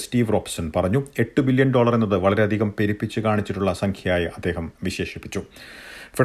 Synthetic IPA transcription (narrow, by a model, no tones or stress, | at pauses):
stiːʋro̞ːpsɐnpɐrɐɲːue̞ʈːɨbiljɐnɖo̞ːɭɐre̞nːɐðɨʋɐɭɐɾe̞ɐd̪ʱiɣɐmpe̞ɾipːit͡ɕːɨkaːɳit͡ɕːiʈːuɭːɐsɐŋkʰjɐjaːjiʔɐd̪ːe̞ːɦɐmʋiɕe̞ːʂipːit͡ɕːufi